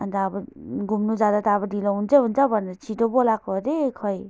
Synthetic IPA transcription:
nd̪aːbʌɡumnud͡zad̪at̪aːbʌdilʌɦunt͡sʰʌɦunt͡sʰʌbʱʌneɾʌt͡sʰiʈobolakoɾekʰʌj

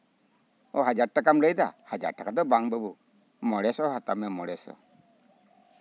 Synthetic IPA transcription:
ɔɦad͡ʒaɾ̚ʈakamləjd̪a̰had͡ʒa̰ɾ̚ʈakad̪ɔbaŋbəbu | mɔɽɛsɔɦat̪amɛmɔɽɛsɔ̰

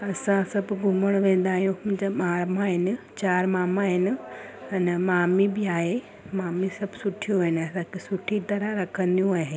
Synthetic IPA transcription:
ɐsãsɐbɡʱʊməɽ̃ʋẽːn̆d̪aːɦijũʊ̃d͡ʑamaːmaɦɪnɪ̆ | t͡ɕaːɾmaːmaɦɪnɪ̆ɐnmaːmibɪaːɦe | maːmisɐbʱsʊʈʰijõɪnɪɐsãkʰesʊʈʰit̪ɐɾaɾɐkʰə̃nd̪ijũaːɦeː

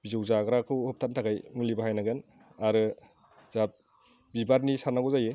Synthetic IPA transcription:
b̥izowzaɡɾakʰɯwhɔp̚tʰantʰaɡajmulibaɦajnaɡɯn | aɾɯ | zap̚ | bibaɾnisaɾnaɡɔzaje

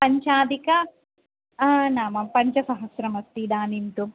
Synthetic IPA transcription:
pɐɲt͡ʃaːd̪ikɐ | naːmɐpɐɲt͡ʃɐsɐɦɐsɾɐmɐst̪id̪aːnint̪u

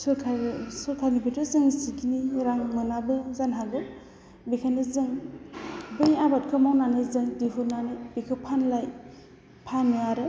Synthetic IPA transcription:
sɯkʰasɯɾkʰaɾnibʰetʰɯzɯŋsikiniɾaŋmɯnabɯzanɦaɡɯ | bikʰanɯzɯŋ | bɯjabat̚kʰɯmawnanɯzɯŋdiɦunanɯbikʰɯpʰanlaj | pʰanːɯaɾɯ

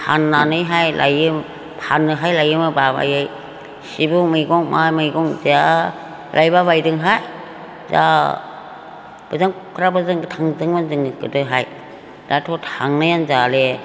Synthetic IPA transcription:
pʰanːanɯjɦajlʔa̰jɯm | pʰanːɯɦajlajɯmɯbaba̰jɯj | sibumɯjɡɔŋmajmɯjɡɔŋza | lʔajbaβajdɯŋɦaj | za̰ | b̥ɯzaŋ | kʰɾabɯzaŋɡtʰaŋzɯŋmanzɯŋɡɯdɯɦaj | d̥ajtʰɔtʰaŋnajanzale

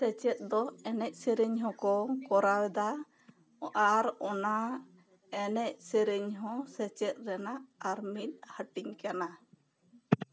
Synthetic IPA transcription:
sɛt͡ʃɛt̪̚ˀd̪ɔɛnɛc̚sɛɾɛɲɦɔ̃kɔkɔɾawɛd̪a | ʔaɾɔna | ɛnɛc̚sɛɾɛɲɦɔ̃sɛt͡ʃɛt̪̚ɾɛnaːɾmit̪̚ˀhəʈiɲkana

